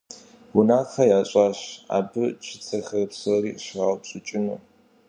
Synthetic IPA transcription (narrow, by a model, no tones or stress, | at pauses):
wʊnaːxɐjaːɕʼaːɕa̰ːbɨt͡ʃʰɪt͡sʰɐxɐrɨpsoriːɕʁɐpɕʼʊt͡ʃʼɪnuː